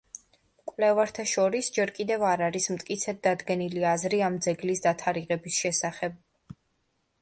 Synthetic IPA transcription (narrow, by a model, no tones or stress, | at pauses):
kʼwvlɛvaɾt̪ʰaʃɔɾisd͡ʒɛɾkʼid̪ɛvaɾaɾismt̪ʼkʼit̪sʰɛd̪̚d̪ad̪ɡɛniliazɾiamd̪zɛɡlisd̪at̪ʰaɾiʁɛbisʃɛsaχɛb̚